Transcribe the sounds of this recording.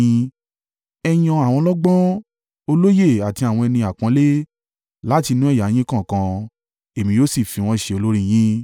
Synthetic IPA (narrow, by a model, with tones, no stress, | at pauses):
ɛ˧j̃ɔ̃˧a˨w̃ɔ̃˧˦lɔ˦ɡ͡bɔ̃˦ | o˧lo˦je˦˨a˨ti˧a˨w̃ɔ̃˧ɛ˧nĩ˧a˨kã˨˧˦le˦ | la˦ti˧nũ˦ɛ˦˨ja˨˦j̃ĩ˦kã˦˨kã˧ | e˨mĩ˨˧joː˦si˦˨fi˨˧w̃ɔ̃˧˦˨ʃe˧o˧lo˦ɾi˦j̃ĩ˦